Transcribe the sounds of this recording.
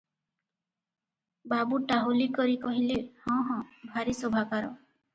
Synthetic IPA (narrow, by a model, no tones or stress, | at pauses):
babuʈaɦulikɔɾikɔɦilehɔ̃ɦɔ̃bʱaɾisɔbʱakaɾɔ̰